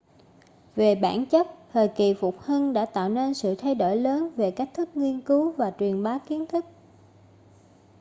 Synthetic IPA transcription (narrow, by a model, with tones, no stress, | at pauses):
ve˨˩ɓaː˧˩nt͡ɕə˦˥t̚t̪ʰəː˨˩jki˨˩fʊ˨˩k͡p̚hi˧nɗa̰ː˧˥t̪a̰ː˧˨wne˧nsɨ̰˧˨t̪ʰa˧jɗo˧˩jləː˨˦nve˨˩kaː˦˥k̚t̪ʰɨ˦˥k̚ŋwi˧ənkɨ˨˦wvaː˨˩t͡ɕwi˨˩ənɓaː˨˦wki˨˦ənt̪ʰɨ˦˥k̚